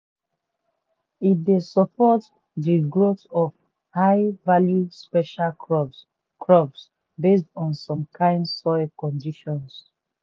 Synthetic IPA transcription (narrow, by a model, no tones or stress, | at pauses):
it̚desɔpɔt | diɡɹotɔv | haɪvaljuspɛʃal | kʰɹɔbs | bes̬tɔ̃nsɔ̃mkʰãɪ̃ndsɔɪkɔ̃ndiʃɔ̃ns